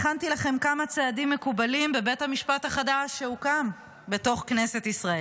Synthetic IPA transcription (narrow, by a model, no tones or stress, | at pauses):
χantilaχe̞mkamat͡seadimːe̞kubalimbe̞be̞thamiʃpathaχadaʃːeukam | be̞to̞χknese̞tisʁae